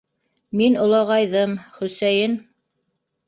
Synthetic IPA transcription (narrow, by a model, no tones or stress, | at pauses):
minŏlˠɑʁɑjðɤmχɵ̆sæjɘn